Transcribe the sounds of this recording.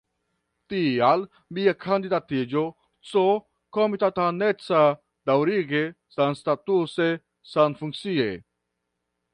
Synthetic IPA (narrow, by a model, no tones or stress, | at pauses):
t̪ial | miakʰand̪id̪at̪id͡ʒo | t͡so | komit̪at̪anet͡sa | d̪̥awɾiɡe | sanst̪at̪use | sanfuŋk̚t͡sie